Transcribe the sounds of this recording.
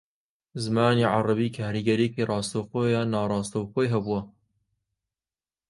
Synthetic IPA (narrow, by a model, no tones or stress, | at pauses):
zɨmaːniːʕɑrˤɑbiːkʰaːɾiɡɐɾikirˤɑːst̪ɐwxoːjaːnːaːɾˤɑːst̪ɐwxoːjɦɐbuwɐ